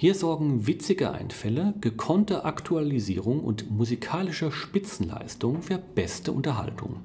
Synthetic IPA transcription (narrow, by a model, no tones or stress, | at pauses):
hiːɐzɔɐɡŋ̩vɪt͡sɪɡəʔa̰ɪnfɛləɡ̥əkʰɔntəʔaktʰualizḭːʁ̞ʊŋʊ̰ntmuzikʰaːlɪʃɐʃpɪt͡sn̩la̰ɪstʊŋfyːɐb̥ɛstəʔʊntɐɦa̰ltʰʊ̰ŋ